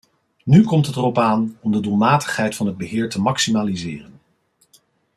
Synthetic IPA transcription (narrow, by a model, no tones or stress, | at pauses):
nykɔmtətərɔpaːnɔmdədulˠmaːtə̥χɦɛjtfɑnɦəd̚bəɦɪːɹtəmɑksimaːlizɪːrən